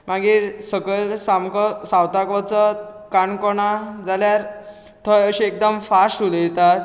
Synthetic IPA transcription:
maɡiːɾsəɡəlsamkɔsawt̪akʋɔt͡sɔkaɳkɔɳad͡zaljaɾ | t̪ʰɔjəɕiek̚d̪əmfasuljɛt̪at̪

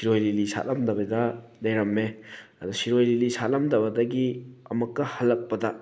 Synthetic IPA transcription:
siɾojlilisa̰ʔlɐmdɐbɐdɐdɐjɾɐmːeɐd̪usiɾojlilisalɐmdɐbɐdɐɡiɐ̰mɐkːɐhɐlːɐk̚pɐdɐ

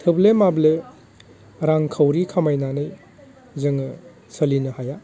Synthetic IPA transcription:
tʰɯblemable | ɾaŋkʰawɾikʰamajnanɯj | zɯŋɯ | sɐlinɐhaja

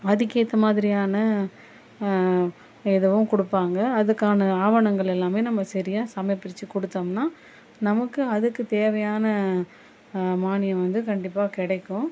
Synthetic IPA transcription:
ɐðɪɣeːt̪ːɐmaːðɪɾɪjaːnɐ | ɛðɐʋʊ̃kɔɽɯpːaːŋɡɐːðɯkːaːnɐaːʋɐɳɐŋɡɐɭɛlːaːmeːnɐmːɐsɐɾɪjaːsɐmɐjpːɐɽɪt͡ʃːɯkɔɽɯt̪ːɐːmnaː | nɐmɐkːɯɐðɯkːɯt̪eːʋɐjaːnɐ | maːnɪjɐ̃ʋɐnd̪ɯkɐɳɖɪpːaːkɪɽɐɪkːʊ̃

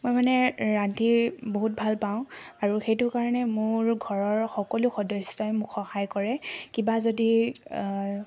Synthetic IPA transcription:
mojmanɛɹatiboɦut̚bʱalpaʊ̃aɹuxejtʊkaɹɔnɛmʊɹɡʱɔɹɔɹxɔkɔlʊxɔdɔsɔjmʊkxɔxajkɔɹɛkibazodi

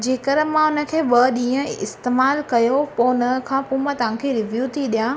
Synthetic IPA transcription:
d͡ʑeːkəɾəmãʊnə̆kʰeːɓɐɗĩːə̃ɪst̪eːmaːlkɐjopoʊnəkʰãːpũmãt̪ɐʋ̤ãkʰeɾɪʋjuːt̪ʰiɗijaː

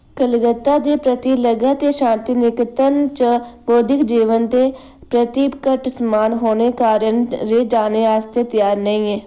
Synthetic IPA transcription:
kəlɡət̪ːaːd̪eːpɾət̪iːləɡaːt̪eːʃãːnt̪iːnɪkt̪ənt͡ʃəboːd̪ɪkd͡ʒiːʋənt̪eː | pɾət̪iːbkəʈsəmaːnɦoːneːkaːɾənɾeːd͡ʒaːneːaːst̪eːt̪ɪjaːɾnəĩːɛː

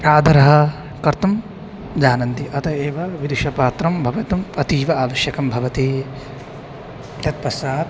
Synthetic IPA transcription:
pɾaːd̪ʱɐɾɐɦɐ | kɐɾt̪ɐm | d͡ʒaːnɐnt̪iʔɐt̪ʰɐeːʋɐʋid̪uʃɐpaːt̪ɾɐmbʱɐʋɐt̪ɐmɐt̪iːʋɐaːʋɐʃjɐkɐmbʱɐʋɐt̪eː | t̪ɐt̪̚pɐsaːd̪

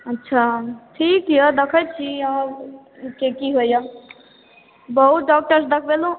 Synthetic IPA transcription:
ətːʃʰaʈʰikjəd̪ekʰəjt͡ʃʰiə̃ | kekiɦojə | bəɦut̪̚ɖɔk̚ʈəɾsd̪əkʰbelũ

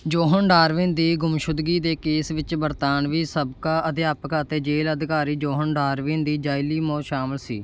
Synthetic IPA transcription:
d͡ʒoːɦənɖaːɾʋɪnd̪iːɡʊmʃʊd̪ɡiːd̪eːkeːsʋɪt͡ʃbəɾt̪aːnʋiːsəbkaːʔəd̪jaːpəkaːt̪eːd͡ʒeːləd̪ɪkaːɾiːd͡ʒoːɦənɖaːɾʋɪnd̪iːd͡ʒaːiliːmoːʃaːmɪlsḭː

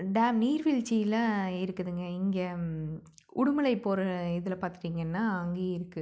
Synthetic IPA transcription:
ɖaːmniːɾʋɪɭt͡ʃːijɪlɐɪɾɯkːɯðɯŋɡɐɪŋɡe | ʔʊɽʊmɐlɐɪpːoːɾɯɪðɐlpaːɾt̪ɯɾiːŋɡɐnːaːɐŋɡeːɪɾɯkːɯ

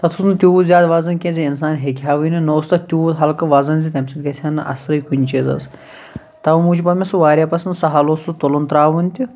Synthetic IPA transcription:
t̪ɐt̪ʰusnɨt̪ʲuːt̪zʲjaːd̪ʋaːzɐnkʲẽnzʲiins̬aːnɦekʰʲaːʋɨjnɨnoːst̪ɐt̪ʲuːt̪ɦɐlkɐʋaːzɐnzit̪ʲɐmsʲit̪ɡɐsʰʲaːnːɐ̰ʔɐ̰sɾɐjkʰunʲt͡ʃeːzɐ̰s | t̪ɐʋmuːt͡ʃʰipɐmʲesuʋaːɾʲjaːpɐsɐnd̪sɐɦaːlosut̪olont̪ɾaːʋunʲt̪ʲi

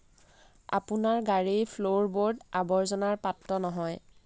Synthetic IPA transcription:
a̰pʊnaɹɡaɹijpʰloɹboɹdabɔɹzɔnaɹpatɹɔnɔɦɔj

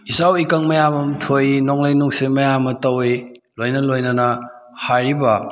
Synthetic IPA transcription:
isawikɐŋmɐjamɐmtʰojnoŋlajnuksimɐjamɐtɐwe | lojnɐlojnɐnɐ | haɾibɐ

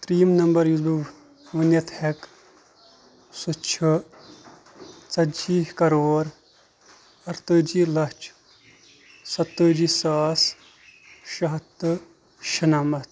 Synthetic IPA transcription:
t̪ɾiːmnɐmbɐɾjuzbi | ʋɐnjɐt̪hek | sut͡ʃʰɨ | t͡sɐd͡ʒiːkɐɾoːɾ | ɐɾt̪ɨd͡ʒilɐt͡ʃʰ | sɐt̪ːəd͡ʒisaːs | ʃɐɦɐt̪ːɨ | ʃɐnaːmɐt̪

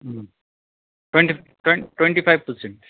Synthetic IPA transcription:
ʈwẽɳʈi | ʈwẽʈwẽɳʈifʰajʋpəɾsẽɳʈ

